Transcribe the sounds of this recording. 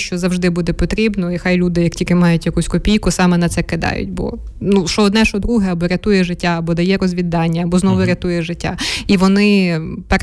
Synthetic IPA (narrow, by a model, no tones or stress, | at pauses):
ʃt͡ʃɔzɐwʒd̪ɪbud̪ɛpɔt̪ɾʲibnɔixɑjlʲud̪ɪjɐktʲilʲkɪmɑjʊtʲjɐkusʲkɔpʲijkʊsɑmɛnɐt̪sɛkɪd̪ɑ̰jʊ̰tʲbɔ̰ | nuʃɔːd̪nɛʃɔd̪ɾuɦɛɐbɔɾʲɐt̪ujɛʒɪtʲːaːbɔd̪ɐjɛɾɔzʲʋʲid̪ɑnʲːɐɐbɔznɔʋʊɾʲɐt̪ujɛʒɪtʲːa̰iʋɔnɪpɛ